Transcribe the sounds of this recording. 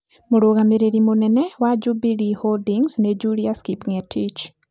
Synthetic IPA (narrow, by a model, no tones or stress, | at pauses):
moɾoɣameɾeɾimonɛnɛwad͡ʒubiɾiholdiŋsned͡ʒuɾiaskipŋɛtʰit͡ʃ